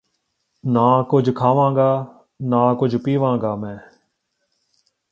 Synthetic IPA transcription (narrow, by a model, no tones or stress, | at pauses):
nãːkʊd͡ʒʱkʰaːʋãːŋɡaː | nãːkʊd͡ʒʱpiːʋãːŋɡaːmɛ̃ː